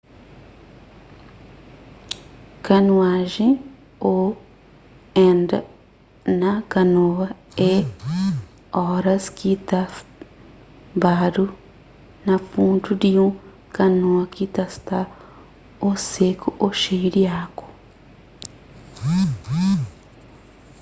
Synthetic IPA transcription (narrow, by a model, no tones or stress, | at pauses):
kanwaʒi | o | end | nakanowa | e | oɾaskita | badu | nafuːntʰudiju | kanuwakit̪ast̪a | osekuʔoʃeiɾjako̥